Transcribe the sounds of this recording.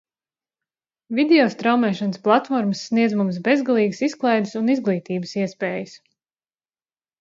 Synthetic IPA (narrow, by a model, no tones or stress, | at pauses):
vid̪ɛɔst̪ɾawmɛːʃanəsplˠat̪fɔɾməsːniɛd̪zmums̬bezɡalˠiːɡəsisklˠajd̪ɨsunizɡlˠiːt̪iːbəsiɛspeːjəs